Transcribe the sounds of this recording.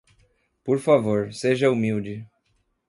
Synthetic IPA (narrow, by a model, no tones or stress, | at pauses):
poɾfavoɾseʒɐumiwd͡ʒɪ